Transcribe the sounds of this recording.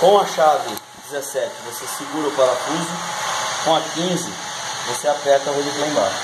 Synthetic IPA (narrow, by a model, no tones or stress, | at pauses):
kõw̃aʃavʊ | d͡ʒizesɛt͡ʃɪvosesiɡuɾɐupalakĩzɪkõw̃ɐkĩzɪvoseapɛt̪ɐɦod͡ʒiflẽba̰ʃ